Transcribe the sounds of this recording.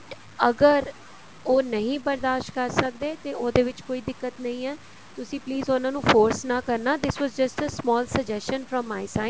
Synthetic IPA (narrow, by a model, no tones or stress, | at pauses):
əɡəɾ | oːnəɦĩːbəɾd̪aːʃʈ̚kəɾsək̚d̪eːt̪eːoːd̪eːʋɪt͡ʃkoːiːd̪ɪkːət̪nəɦĩːɛː | t̪ʊsĩːpliːzʊnãːnũːfoːɾsnaːkəɾnaːd̪ɪsʋɔːzd͡ʒəsʈəsmɔːlsəɡd͡ʒɛsʃənfɾə̃mːaːɪsaːɪ